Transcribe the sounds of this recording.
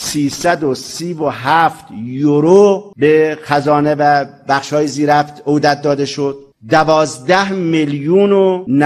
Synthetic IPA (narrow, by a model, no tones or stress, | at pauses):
siːsæd̪osiːvoɦæft̪joɾobexæzɒːnevæbæxʃhɒːjeziːɾæft̪od̪æt̪̚d̪ɒːd̪eʃod̪̥̚ | d̪ævɒːzd̪æhmiljuːnon